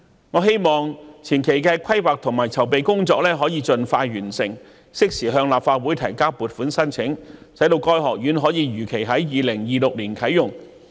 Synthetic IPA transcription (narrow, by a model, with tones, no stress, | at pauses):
ŋɔː˨˧ɦe˥jmɔː˨ŋt͡sʰiː˨˩nkʰe˨jkɛː˧kʰɐ˥jwaː˨k̚t̪ʰʊ˨˩ŋmaː˨˩jt͡sʰɐ˨˩wpe˨jkʊ˥ŋt͡sɔː˧k̚lɛː˥ɦɔː˨˥jiː˨˧t͡ʃɵ˧nfaː˧jɥyː˨˩nsɪ˨˩ŋ | sɪ˥k̚siː˨˩ɦœː˧ŋlaː˨p̚faː˧t̚wuː˨˥jt̪ʰɐ˨˩jkaː˥puː˨˧t̚fuː˨˥nsɐ˥nt͡sʰɪ˨˥ŋsɐ˨˥jt̪o˧wkɔː˥jɦɔː˨k̚jyː˨˥nɦɔː˨˥jiː˨˧ɥyː˨˩kʰe˨˩jɦɐ˨˥jjiː˨˧lɪ˨˩ŋjiː˨lʊ˨k̚liː˨˩nkʰɐ˨˥jːʊ˨˩ŋ